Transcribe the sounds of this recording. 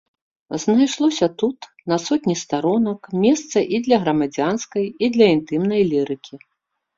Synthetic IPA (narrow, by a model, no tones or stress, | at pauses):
znajʂlˠɔsʲɐt̪ut̪ | nɐsɔt̪ʲnʲist̪aɾɔnɐkmʲɛst̪sɐʔid̪lʲɐɣɾɐmad͡zʲanskɐjid̪lʲɐint̪ɨmnɐjlʲiɾɨkʲʰi